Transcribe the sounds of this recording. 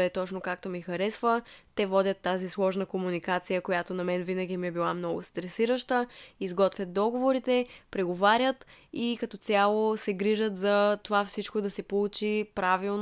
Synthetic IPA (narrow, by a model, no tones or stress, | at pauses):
ɛt̪ɔt͡ʃnokak̚t̪omixɐɾɛsvət̪ɛvɔd̪ʲət̪ːazislˠɔʒnəkomunikat̪sijəkojat̪onɐmɛnvinəɡʲimiɛbilˠamnɔɡʊ̰st̪ɾɛsiɾəʃt̪əizɡɔt̪vʲjət̪̚d̪ɔɡovoɾit̪ɛpɾɛɡovaɾjət̪ikɐt̪ɔt̪sʲjalˠosɛɡɾiʒət̪zɐt̪ovafsit͡ʃkod̪ɐsɛpolˠut͡ʃipɾavilˠn